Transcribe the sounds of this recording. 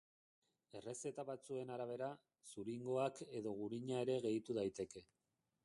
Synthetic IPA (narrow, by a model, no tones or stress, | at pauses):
e̞re̞se̞t̪aβat͡sue̞naɾaβ̞e̞ɾa | suɾiŋɡo̞ake̞ðo̞ɣ̞uɾiɲae̞ɾe̞ɣe̞jt̪uð̞ajt̪e̞ke̞